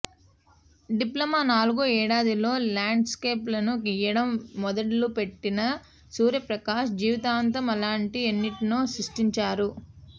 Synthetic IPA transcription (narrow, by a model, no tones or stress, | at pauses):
ɖiplɐmaːnaːluɡuɛːɽaːd̪ilo̞ːlaːɳɖskeːplɐnuɡijɐɽɐmːɔd̪ɐʈlupe̞ʈːinɐ | suːɾjɐpɾɐkaːʃd͡ʒiːʋit̪aːnt̪ɐmɐlaːɳʈienːiʈinoːsɾiʂʈiɲt͡ʃaːɾu